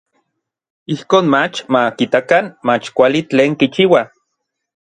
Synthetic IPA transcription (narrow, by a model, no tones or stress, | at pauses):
ihkoːnmat͡ʃmakit̪akanmat͡ʃkʷalit͡ɬeːŋkit͡ʃiːwa